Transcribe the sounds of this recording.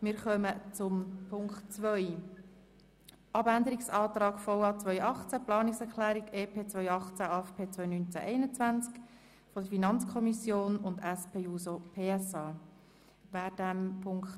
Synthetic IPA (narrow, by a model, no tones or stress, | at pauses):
mɪːɾχœmət͡sʊmpʰʊŋktt͡sʋœʏ | ʔɑbænd̪əɾiksɑːt̪ɾɑːɡfɔwɑːt͡sʋœʏɑχt͡sæplɑːnɪksɛɾklæːɾiɡeːpʰeːt͡sʋœʏɑχt͡sæɑɛfpʰeːt͡svœʏnynt͡sæ̰ʔɛɪnət͡sʋænt͡sk | fɔdəfinɑnt͡skʰɔmisjoːnʊndæspʰeːuːsopʰeːɛsɑː | ʋæːd̥æmpʰʊŋkt